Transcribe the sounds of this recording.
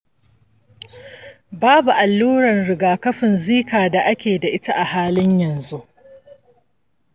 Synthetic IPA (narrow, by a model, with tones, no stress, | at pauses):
baː˦bu˨ʔa˨lːuː˦ɾɐ˨nɽɪ˨ɡaː˨kɐ˦ɸɪ˨nziː˦kaː˨da˨ʔa˦kʲeː˨da˨ʔɪ˦ta˦ʔa˨haː˦lɪ˦ɲjɐ˨nzu˦ʔ